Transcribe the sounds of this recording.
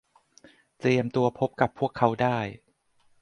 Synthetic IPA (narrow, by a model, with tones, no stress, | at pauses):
t̪ɾi˧əmt̪u˧ɐpʰo˦˥p̚ka˨˩pʰːu˥˩əkʰːa˦˥wdaː˥˩j